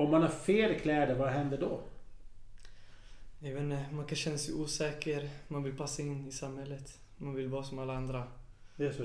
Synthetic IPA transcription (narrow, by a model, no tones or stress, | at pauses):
ɔmːanhaɾfeːlkʰlɛːd̪əɾvaɦɛnd̪əd̪ɔ | najvɛːnːəmankʰanɕɛnːasɛuːsɛːkəɾmanvɪlpʰasːaɪnːɪsamhɛlːət̪ | manvɪlvɑːsɔmalːaand̪ɾaɛs